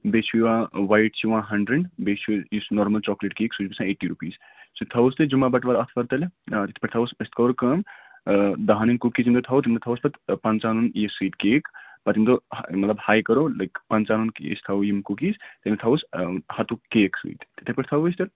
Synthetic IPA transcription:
besʰujwãwajʈt͡ʃʰiʋɐ̃nɦɐɳɖɾeɳɖbet͡ʃʰuisnɔːɾmɐlt͡ʃɔːkleʈkeːksud͡ʒbisʰãeʈːiɾupiːs | sɨt̪ʰɐwst̪ɨd͡ʒumabɐʈʋaɾɐt̪ʰpɐɾt̪ɐlet̪it̪ʰe̥pɐɾt̪ʰɐwspɐst̪kɐwɾkɐm | d̪ɐɦaninkukisimt̪ot̪ʰɐwt̪imt̪ot̪ʰɐwspɐt̪pɐnt͡ʃanunjesɨt̪keːkpɐt̪imt̪omɐt̪lɐbhaːjkɐɾolɐkpɐnt͡ʃaːnunkḛst̪ʰɐwjimkukist̪iemt̪ot̪ʰɐwushɐt̪ukeːksɨ̰it̪t̪i̥t̪ʰepɐʈt̪ʰɐwist̪ɐl

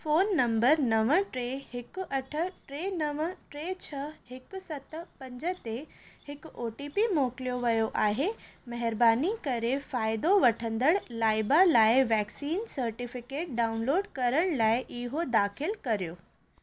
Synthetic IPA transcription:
foːnːɐ̃mbəɾnɐʋəʈɾeɦɪkɐʈʰə̆ʈɾeːnɐʋʈɾeːt͡ɕʰɐhɪkʊsɐt̪pɐ̃ɲd͡ʑət̪ehɪkʊoːʈiːpimoːkɪlijoʋɐjoʔaːɦemɐɦɪɾbaːnikɐɾefaːɪd̪oʋɐʈʰə̃nd̪əɽlaːɪbalaːɪʋɛːksiːnsɐɾʈɪfɪkeːʈ̚ɖaːʊnloːɖkɐɾəɽ̃laːɪʔɪɦod̪aːxʰɪlkɐɾijoː

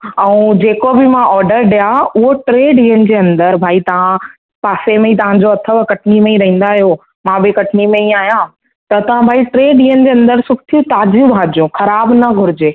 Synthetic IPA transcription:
ɛ̃ũd͡ʑeːkobɪmãʔɔːɾɖəɾɗijaʊɦoʈɾeːɖiːənɪ̆d͡ʑeːɐ̃nd̪əɾbʱaːit̪ɐʋ̤ã | paːsemẽĩt̪ɐʋ̤ãd͡ʑoɐt̪ʰəʋkɐʈʰnimẽĩɾɐɦĩːnd̪aɦijo | mãbɪkɐʈʰnimẽĩaːɦijã | t̪ɐt̪ɐʋ̤ãbʱaːiʈɾeːɖiːənɪ̆d͡ʑeːɐ̃nd̪əɾsʊkʰt̪ʰijũt̪aːd͡ʑjubʱãːd͡ʑijũxɐɾaːbnɐɡʱʊɾɪd͡ʑeː

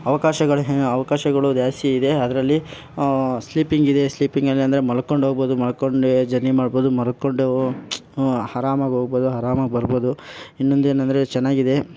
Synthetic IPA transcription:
ɐʋɐkaːʃɐɡɐɭɐʋɐkaːʃɐɡɐɭud̪jaːsiid̪e̞ɐd̪ɐɾɐlːi | sliːpiŋɡid̪e̞sliːpiŋɡɐlːiɐnd̪ɐɾemɐlɐkoɳɖɦo̞ːɡ̚boːd̪umɐlɐkoɳɖd͡ʒɐnːimaːɖboːd̪umɐlɐkːoɳɖu | hɐɾaːmaːɡɦoːɡboːd̪uɦɐɾaːmaːɡbɐɾboːd̪uinːond̪e̞ːnɐnd̪ɐɾe̞t͡ʃɛnːaːɡid̪e̞

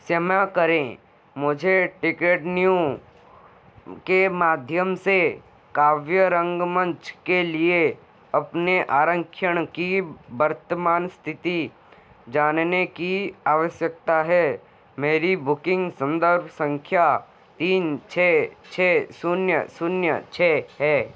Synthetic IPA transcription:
sjəmakəɾẽː | mʊd͡ʒʱeʈɪkeːʈnijõ | kemaːd̪ʱjəmse | kaːʋjəɾə̃ŋɡmə̃ɲt͡ʃkelie | ɐpneʔaːɾə̃ŋkʰjəɽ̃kibəɾt̪əmaːnst̪ʰɪt̪i | d͡ʒaːnnekiaːʋəʃjək̚t̪aɦɛː | meːɾibʊkɪ̃ŋɡsə̃nd̪əɾbʱsə̃ŋkʰja | t̪iːnt͡ʃʰɛːt͡ʃʰɛːsʊnjə̰sʊnjə̰t͡ʃʰɛːɦɛː

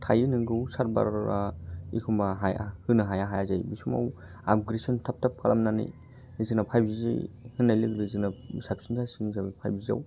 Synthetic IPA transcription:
tʰajɯnɯŋɡɯwsaɾba̰ɾaikʰumbaɦajhɯnɯɦajaɦajazajbisuma̰w | ab̚ɡɾesɔntʰap̚tʰap̚kʰalamnanḭj | izɯnapʰajbzizḭjhɯnːajlɯɡɾɯzinasapsinzʰasɯŋzabipʰa̰jbiza̰w

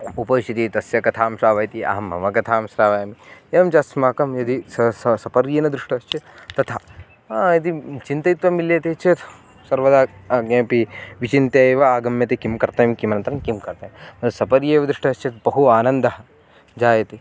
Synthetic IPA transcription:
upɐʃt͡ʃ̪ʰit̪it̪ɐsjɐkɐt̪ʰaːmʃɾaːʋɐjt̪iɐ̰ɦɐmɐ̰ʋɐkɐt̪ʰaːmsɾaːʋɐjɐmijeːmt͡ʃasmaːkɐmjɐd̪issɐsɐpɐɾjeːnɐd̪ɾuʂʈɐʃt͡ʃet̪ɐt̪ʰaː | jɐd̪it͡ʃint̪ɐit̪ʋɐmiljeːt̪eːt͡ʃeːt̪ | sɐɾʋɐd̪aːɡẽːpiʋit͡ʃint̪eʋɐaːɡɐmjɐt̪ekimkɐɾt̪ɐːmkimɐnɐnt̪ɐɾɐŋkimkɐɾt̪ɐːmmɐt̪usɐpɐɾjeːʋɐd̪ɾuʂʈɐst͡ʃet̪̚bɐɦuaːnɐnd̪ɐɦɐ̆ | d͡ʒaːjɐt̪e

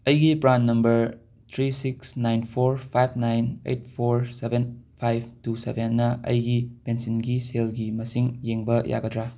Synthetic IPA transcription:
ɐjɡipɾanːɐmbɐɾ | t̪ʰɾisiksnajnpʰoɾpʰajb̚ʰnajnḛjt̚pʰoɾsebʱenpʰajb̚ʰʱtusḛbʱenːɐʔɐ̰jɡipensinɡiselɡimɐsiŋjeŋbɐja̰ɡɐdɾa

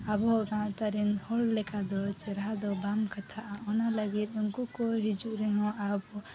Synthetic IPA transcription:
abɔɡãt̪aɾinhɔɭlɛkad̪ɔt͡ʃɛɾad̪ɔbamkat̪ʰaʔaɔnalaɡit̪̚ˀuŋkukɔɦid͡ʒuʔɾɛɦɔ̃abɔ

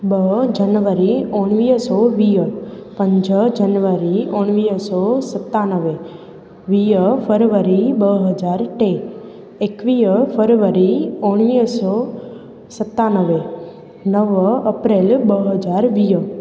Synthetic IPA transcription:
bəɦd͡ʒənʋəɾioɽ̃ʋiəsoʋijəpəɲd͡ʒəd͡ʒənʋəɾioɽ̃ʋijəsosət̪ːanəʋe | ʋijəfʰəɾʋəɾibəɦəd͡ʒaɾʈe | ekʋijəfəɾʋəɾioɳ̃ʋiəso | sət̪ːanəʋe | nəʋəpɾelbəɦəd͡ʒaɾʋijə

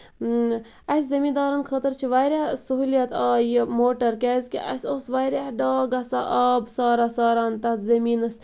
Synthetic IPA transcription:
ɐszɐmiːd̪aːɾɐnkʰəːt̪əɾt͡ʃʰiʋajɾʲasəɦuːljɐt̪aːjimoːʈɐɾkɛzʲkḭʔɐ̰sʲoːsʋajɾʲahɖɑːɡɐsa̰ʔɐːbsɑːɾasaːɾaːnt̪ɐt̪zɐmiːnɐs

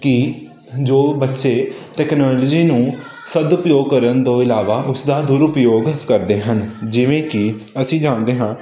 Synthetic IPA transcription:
kɪ | d͡ʒoːbətːʃeːʈɛːknaːld͡ʒiːnũː | səd̪ʊpjoːɡ̚kəɾənd̪õːɪlaːʋaːʔʊsd̪aːd̪ʊɾʊpjoːɡkəɾd̪eːɦənd͡ʒɪʋẽːkɪəsĩːd͡ʒãːnd̪eːɦãː

